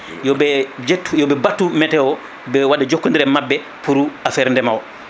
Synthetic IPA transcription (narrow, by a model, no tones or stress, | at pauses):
jɔbɛd͡ʒetːujɔbɛbatːumɛtɛwɔ | bɛwaɗːad͡ʒokːundiɾɛmabːɛ | puɾuafɛɾndɛmawɔ